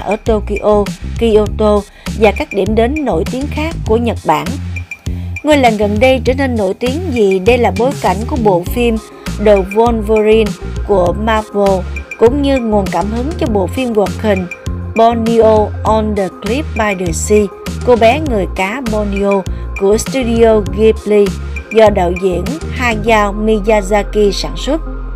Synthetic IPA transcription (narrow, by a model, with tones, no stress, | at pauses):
ʔəː˧˩t̪o˧ki˧ʔo˧ki˧ʔo˧t̪o˧ | vaː˨˩kaː˦˥k̚ɗḭ˧˩əmɗe˨˦nːo̰˧˩jt̪i˨˦əŋxaː˦˥kːu˧˩əɲə˨˩t̚ɓa̰ː˧˩n | ŋə˨˩jlaː˨˩nɣə˨˩nɗə˧jt͡ɕə̰ː˧˩ne˧nːo̰˧˥˩jt̪i˨˦əŋzi˨˩ɗə˧jlaː˨˩ɓo˨˦jka˧˩jŋ̟ku˧˩əɓo̰˧˨fi˧m | ɗo˨˩vɔ˧nvə˧zi˧nku˧˩əmaː˧vo˧kʊ̰˧˥ŋ͡mɲɨ˧ŋu˨˩ənkaː˧˩mhɨ˨˦ŋt͡ɕɔ˧ɓo̰˧˨fi˧mɣwaː˨˩t̚hï˨˩ŋ̟ɓɔ˧ni˧ʔo˧ʔɔ˧nɗəː˨˩kli˦˥p̚ɓaː˧jɗə˨˩si˧ko˧ɓɛ˨˦ŋɨ˨˩əjkaː˨˦ɓɔ˧ni˧ʔo˧ku˧˩əst̪u˧ɗi˧o˧ɣi˧p̚li˧zɔ˧ɗa̰ː˧˨wzḭ˧˥˨ənhaː˧jzaː˧wmi˧zaː˧zaː˧ki˧sa̰ː˧˩nswə˦˥t̚